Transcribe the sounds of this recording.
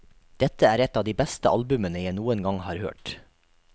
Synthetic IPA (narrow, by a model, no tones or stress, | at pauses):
d̪̥ɛt̪əæːɾɛt̪ɑːʋd̪iːbæst̪əʔɑ̰lbʉmənəjæɪnuːənɡɑŋhɑːɾhø̰ːʈ